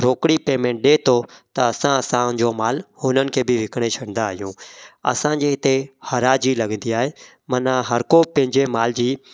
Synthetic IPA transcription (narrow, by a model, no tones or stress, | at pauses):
ɾoːkɽipeːmẽːɳʈ̚ɗeːt̪ʰot̪ɐɐsãɐsãd͡ʑomaːlhʊnənɪ̆kʰeːbɪʋɪkəɽ̃et͡ɕʰɐɽ̤̃nd̪aːɦijũɐ̰sãd͡ʑeːɪt̪ehɐɾaːd͡ʑilɐɡə̃nd̪iaːɦeː | mɐnaɦɐɾkopɐ̃ɦɪ̃ɲd͡ʑemaːld͡ʑiː